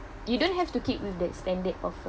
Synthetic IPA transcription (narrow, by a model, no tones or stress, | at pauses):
judõnɦɛftukik̚wifdɛt̚stɛ̃ndət̚ɔf